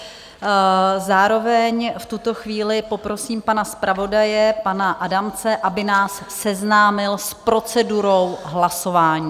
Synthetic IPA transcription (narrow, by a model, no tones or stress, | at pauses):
zaːɾo̞vɛɲft̪ut̪o̞xviːlɪpo̞pɾo̞siːmpanaspɾʔavo̞dajɛpanaʔadamt͡sɛʔabɪnaːsːɛznaːmɪlspɾo̞t͡sɛduɾo̞wɦlaso̞vaːɲiː